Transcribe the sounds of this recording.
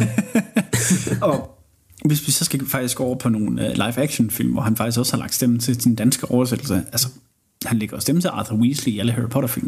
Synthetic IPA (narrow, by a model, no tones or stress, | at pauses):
ɒ̽ | ʋe̝sʋisɒ̽sɡ̥æfɑ̈ɡ̥d̥isɡ̥o̰ɐpʰɒ̽no̝ːnølɑ̈ɪfæɡ̥ɕonfil̰mʋɒhænfɑ̈ɡ̥isɡ̥ɒ̽sə̥hɑ̈lɑ̥̈d̥sd̥emn̩t͡sʰe̝d̥end̥ænsɡ̥əʔɒʊɐsed̥l̩səʔælsə̥ | hænleɡ̥ɐɒsd̥emn̩t͡sʰe̝lʔɑðˠɐwiːsliiæləɦæɹipʰɒɾɐfil̰m